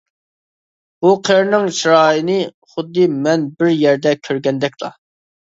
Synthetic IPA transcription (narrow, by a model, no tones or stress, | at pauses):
b̥uqʰeɾnɪŋʃɾɑːjinɨ | χʊd̪ːɨmɛnbɪɾjɛɾd̪ɛkʲʰøɾɡʲɛnd̪ɛk̚ʲt̪ˠɑ̰